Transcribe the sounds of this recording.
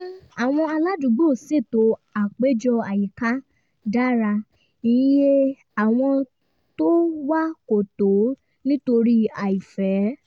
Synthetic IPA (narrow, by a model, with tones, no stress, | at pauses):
a˨w̃ɔ̃˧a˧la˦du˨˦ɡ͡bo˦˨se˦˨to˨˧˦a˨k͡pe˨˦d͡ʒɔ˧a˨ji˨ka˦ | da˦ɾa˧ | ĩ˨˦je˦ | a˨w̃ɔ̃˧ | to˦wa˦ko˨to˨˦ | nĩ˦to˧ɾi˦a˨i˨fɛ˨˦